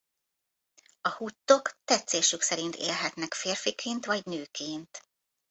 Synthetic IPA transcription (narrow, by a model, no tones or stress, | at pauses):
ɒhut̪ːo̞kt̪ɛt̪seːʃyksɛɾint̪ʰḛːlɦɛt̪nɛkfeːrfikʰeːnt̪ʋɒɟnøːkʰeːnt̪